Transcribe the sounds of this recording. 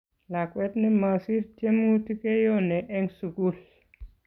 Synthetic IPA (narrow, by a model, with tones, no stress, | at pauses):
la˨kwɛ˦tni˦ma˨si˦ɾt͡ʃe˦mu˦ti˦ke˦jo˦nɛ˨ʔɛ˦ŋsu˨ku˦l